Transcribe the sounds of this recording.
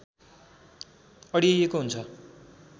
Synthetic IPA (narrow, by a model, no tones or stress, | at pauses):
ʌɽijʌjekoɦunt͡sʰʌ